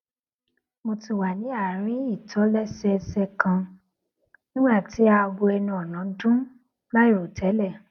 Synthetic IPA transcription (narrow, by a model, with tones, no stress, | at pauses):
mo˧ti˧wa˨nĩ˨˦a˦˨ɾ̃ĩ˨˦i˦˨tʰɔ˨˦lɛ˦sɛ˧sɛ˧kã˧ | nĩ˦ɡ͡ba˦˨ti˨˦a˧ɡo˧ɛ˧nũ˧˦ɔ˨nã˨˦dũ˦ | la˦jo˦˨tʰɛ˨˦lɛ˦˨